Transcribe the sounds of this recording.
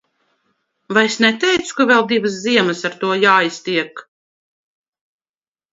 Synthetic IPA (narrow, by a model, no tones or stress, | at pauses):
vajesnɛt̪ɛjt̪su̥kavɛlˠd̪ivɨsziɛmɨsaɾt̪uɔjaːjst̪iɛk